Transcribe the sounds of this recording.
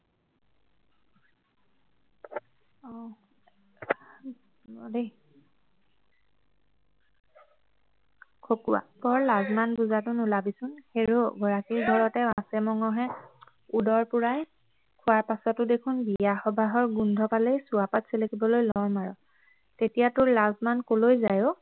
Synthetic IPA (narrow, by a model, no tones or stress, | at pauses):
ɔ | de | kʰokuwa̰bɔɹlazmanbuzatʊnʊlabisʊnxeɹoɡɔɹakiɹdʱɔɹɔtɛwãsɛmɔŋɔɦɛ | udɔɹpuɹaj | kʰʊwaɹpasɔtʊdekʰʊnbijaxɔbʱaɦɔɹɡundʱɔpalejsuapatselekibɔlojlɔɹmaɹɔ | tetijatʊɹlazmankolojzajo